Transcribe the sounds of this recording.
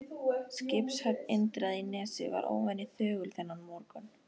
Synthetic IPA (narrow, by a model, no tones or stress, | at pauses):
scɪpshœp̪ent̪ɾaðinɛːsɪ̰va̰ɾʔo̰ːwvɛnːɪθœːɣʏlθɛnːanmɔɾkʏn